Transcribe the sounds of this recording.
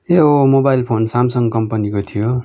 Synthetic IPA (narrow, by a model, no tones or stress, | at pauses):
eomobajlpʰonsamsʌŋkʌmpʌnikot̪ʰijo